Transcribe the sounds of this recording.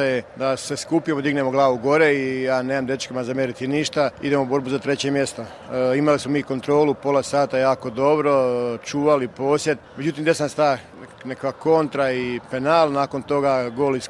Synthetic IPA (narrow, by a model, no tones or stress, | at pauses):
ajed̪aseskuːpijemod̪iɡne̞mo̞ɡlˠaːʋuɡo̞ɾeijaːneːmamd̪je̞t͡ʃkemazamjeɾit̪iniʃt̪aid̪e̞mobo̞ɾbuzat̪ɾe̞t͡ɕemje̞st̪o | imalismo̞miːko̞nt̪ɾo̞ːlupo̞lˠasaːt̪ajaːko̞d̪o̞bɾo̞t͡ʃuːʋalipo̞ːsje̞t̪med͡ʑut̪̬imd̪esnanst̪a | nekʋako̞nt̪ɾaipe̞naːlˠnaːko̞nt̪o̞ɡaɡoːlis